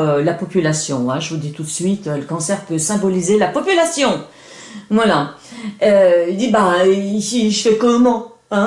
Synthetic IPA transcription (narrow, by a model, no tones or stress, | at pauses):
ølapɔpylasjɔ̃ɛ̃ʒəvud̪it̪ut̪sɥit̪øləkɑ̃sɛʁpøsɛ̃bɔlizelapɔpylasjɔ̃ | vwala | øild̪ibaiiʒəfɛkɔmɑ̃ | ɛ̃